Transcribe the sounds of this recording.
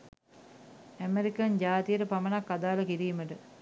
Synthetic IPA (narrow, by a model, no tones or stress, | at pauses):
æmeɾikɐnd͡ʑaːt̪ijəʈəpamənakːad̪aːləkiɾiːməʈə